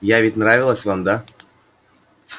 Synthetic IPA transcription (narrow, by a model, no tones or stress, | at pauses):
javʲɪtʲnɾavʲɪlˠəsʲvamd̪a